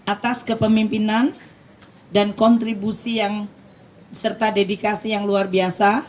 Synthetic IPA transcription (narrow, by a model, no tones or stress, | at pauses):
ʔat̪askəpəmimpinan | dankɔnt̪ɾibusijaŋ | sərt̪adedikasijaŋluarbiasa